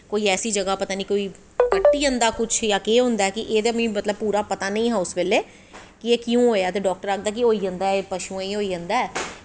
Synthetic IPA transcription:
koːiːɛːsiːd͡ʒəɡaːpət̪aːniːkoːiː | kəʈːiːə̃nd̪aːkʊt͡ʃʰjaːkeːɦʊ̃nd̪aɛkɪʔeːd̪emĩːmət̪ləb̚puːɾaːpət̪aːnəĩːɦãːʊsʋeːleː | kɪeːkɪjũːɦoːjaːt̪eːɖɔːk̚ʈəɾaːk̚d̪aːk̬ɪɦoːiːə̃nd̪aːepəʃũːĩːɦoːiːə̃nd̪aːɛː

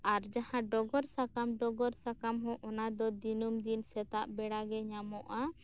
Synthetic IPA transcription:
aɾd͡ʒahãɖɔɡɔɾsakamɖɔɡɔɾsakamɦɔ̃ʔɔnad̪ɔd̪inumd̪insɛt̪a̰ʔbɛɽaɡɛɲamɔʔa

